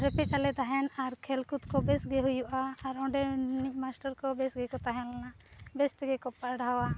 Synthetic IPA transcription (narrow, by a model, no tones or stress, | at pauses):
ɾɛpɛt̪̚alɛd̪aɦɛnaɾkʰɛlkut̪kɔbɛsɡɛɦujuʔaːɾɔ̃ɖɛnic̚ˀmasʈaɾkɔbɛsɡɛkɔt̪aɦɛnlana | bɛst̪ɛɡɛkɔpaɽawa